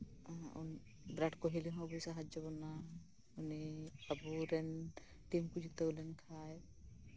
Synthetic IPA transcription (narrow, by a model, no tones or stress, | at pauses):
ṵn | bɾaʈkoɦiliɦɔ̃ɐbusaɦad͡ʒɔbɔna | uniɐbuɾɛn | ʈimkud͡ʒit̪əwlɛnkʰaj